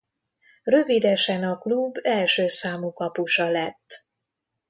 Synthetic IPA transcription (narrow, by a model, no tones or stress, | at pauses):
rø̞vid̪ɛʃɛnɒklubːɛlʃøːsaːmukɒpuʃɒlɛt̪ː